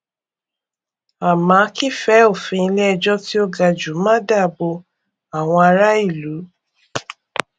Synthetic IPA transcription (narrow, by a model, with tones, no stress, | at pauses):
a˨mã˨˦ki˦˨fɛ˨˦o˦˨fĩ˧i˧lɛ˦˧d͡ʒɔ˦ti˦o˦ɡa˧˨d͡ʒu˨˦mã˦da˦˨bo˧ | a˨w̃ɔ̃˧a˧ɾa˦i˦˨lu˨˦